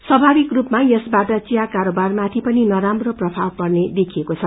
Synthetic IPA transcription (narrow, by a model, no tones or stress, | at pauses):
sʌbʱabikrupmajʌsbaʈʌt͡sijakaɾobarmat̪ʰipʌninʌɾamroprʌbʰʱawpʌrned̪ekʰiekot͡sʰʌ